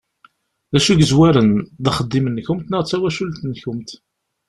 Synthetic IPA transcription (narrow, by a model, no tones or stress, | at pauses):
ðæʃuʝəzwæɾənðəχəd̪ːimənːçʊmt̪nəʁt͡sːæwæʃult̪nçʊmt̪